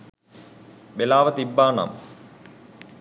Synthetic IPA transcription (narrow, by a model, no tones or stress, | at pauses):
belaːʋɐt̪ibːaːna̰m